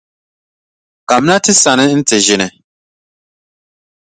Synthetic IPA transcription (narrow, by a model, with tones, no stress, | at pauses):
ka˨m˦na˦tɪ˦sa˨nɪ˦n̩˦tɪ˨ʒɪ˦nɪ˨